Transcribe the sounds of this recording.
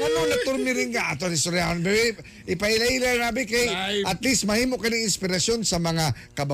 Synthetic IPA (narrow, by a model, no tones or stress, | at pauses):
anonɐt̪ʊɾmɪɾɪnkaʔat̪onɪst̪oɾjanbɛ | ʔɪpaɪlailanabɪkajʔat̪lismɐhiːmoʔkɐnɪɪnspɪɾasjonsɐmɐŋa | kɐba